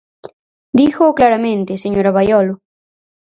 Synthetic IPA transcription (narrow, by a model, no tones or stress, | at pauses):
d̪ixoklaɾamẽnt̪eseɲoɾaβajolo